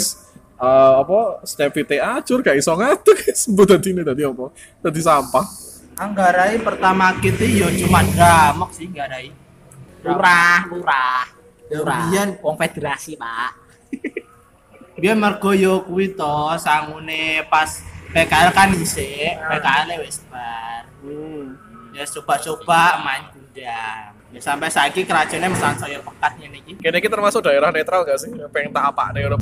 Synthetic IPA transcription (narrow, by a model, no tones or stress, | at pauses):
s | əɔpɔst̪ɛpfit̪eḁd͡ʒʊrɡaisɔŋat̪ukɛsəmbʊt̪ad̪inet̪ad̪iɔpɔ | t̪ad̪isampah | aŋɡaɾaipərt̪amakit̪ijɔt͡ʃumadamək̚sɪhŋɡaɾai | luɾahluɾah | uɾabiɛnwɔŋfed̪̥eɾasila̰ | bijanmərɡ̥ɔ̤jɔkuwit̪ɔhsaŋunepaspekaɛlkaniseʔpekaɛlewɛsb̥ar | jast͡ʃob̥aʔt͡ʃob̥aʔmaɲkud͡ʒa | asampɛʔsakikəɾad̥ʒ̥a̤neməsalsɔjɔpəkat̪̚ɲɛnikikeneikit̪ərmasʊk̚d̥a̤eɾahnet̪ɾalŋɡaʔsɪhpɛŋt̪apa̰ʔneunɔ